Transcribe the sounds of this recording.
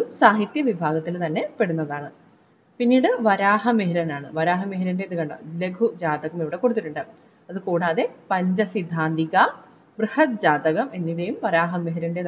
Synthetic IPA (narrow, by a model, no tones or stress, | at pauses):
umsaːɦit̪jɐʋibʱaːɡɐt̪ːilt̪ɐnːe̞pe̞ɽunːɐðaːɳɨ | pinːiːɽɨʋɐɾaːɦɐmeɦiɾɐnaːɳɨʋɐɾaːɦɐmeɦiɾɐndeðɨkɐɳɖɐ̰leɡʱud͡ʑaːd̪ɐɣɐmeʋiɽe̞ko̞ɽut̪ːiʈːuɳɖɨ | ɐðɨkuːɽaːðe̞pɐɲd͡ʑɐsid̪ʱːaːnd̪iɣɐ | brɨhɐt̪̚d͡ʑaːd̪ɐɣɐme̞nːiðejumʋɐɾaːɦɐmeɦiɾɐnde